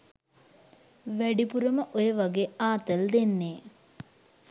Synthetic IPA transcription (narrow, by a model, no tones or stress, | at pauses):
ʋæɖipuɾəməʔojəʋaɡeːaːt̪əld̪enːeː